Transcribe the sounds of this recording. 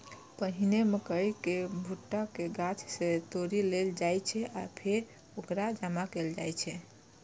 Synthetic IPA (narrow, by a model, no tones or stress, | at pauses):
pəɦineməkəjkebʱuʈːakeɡat͡ʃʰset̪oɾileld͡ʒajt͡ʃʰɛapʰeɾ | okɾad͡ʒəmakeld͡ʒa̰jt͡ʃʰɛ